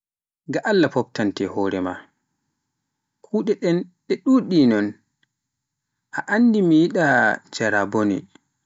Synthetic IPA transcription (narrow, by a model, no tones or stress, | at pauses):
ɡaʔalːapɔp̚tantɛhɔːɾɛma̰ | kʰuːɗɛɗɛnɓɛɗuɗinɔn | ʔaʔandimijiɗad͡ʒaɾabonḭ